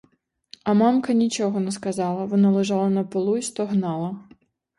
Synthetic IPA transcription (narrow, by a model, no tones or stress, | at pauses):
ɐmamkɐnʲit͡ʃɔɣɐnɛskazalˠɐvɔnalˠɛʐalˠɐnɐpɨlˠuist̪ɔɣnalˠɐ